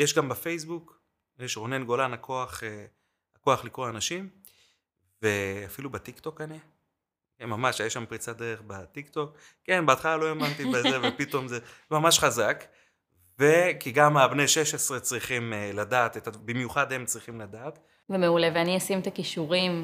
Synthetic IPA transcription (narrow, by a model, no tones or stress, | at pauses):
jeʃɡambafejs̬buk | jeʃʁo̞ne̞nɡo̞lanako̞aχe | ako̞aχlikʁoanaʃim | veafilubat̪ikt̪o̞kane | kemamaʃajaʃampʁit͡sad̪eʁeχbat̪ikt̪o̞kː | e̞nbeat̪χalalo̞emant̪ibezzevepit̪o̞mzemamaʃχazak | ve̞kiɡamabnejʃeʃe̞sʁet͡sʁiχimeladaːt̪et̪abimjuχad̪he̞mt͡sʁiχimlad̪aːt̪ | vemeuleveaniasimet̪akiʃuʁim